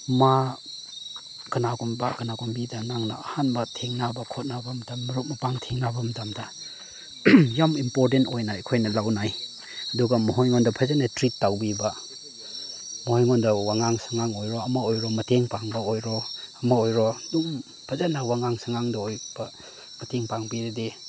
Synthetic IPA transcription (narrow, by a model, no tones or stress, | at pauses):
ma | ɡɐnaɡumbakɯnaɡumbidɐnaŋnaːhanbɐtʰeŋnabɐkʰɔt̚nabɐmɐtamːɐɾut̚mɐpaŋtʰeŋnabɐmɐtamda | jamimpoɾt̬entojnajkʰojnɐlawnaj | ɐduɡɐmɔɦojŋɔndɐpʰazanatɾitːawbiba | mɔhojŋɔndɐwaŋaŋsaŋaŋojɾɔɐmaojɾɔmɐteŋpaŋbɐojɾɔɐmaojɾɔdum | pʰazanawaŋaŋsaŋaŋdaojb̥ɐ | mɐteŋpaŋbiɾede